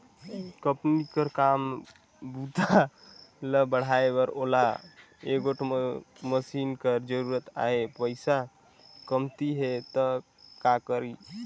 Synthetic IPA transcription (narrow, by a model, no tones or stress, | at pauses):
kəpnikəɾkam | but̪a | ləbəɽ̤aebəɾola | eɡoʈʰməsinkəɾd͡ʒəɾuɾət̪a̰ɦepəɪsa | kəmt̪iɦet̪ə | kakəɾi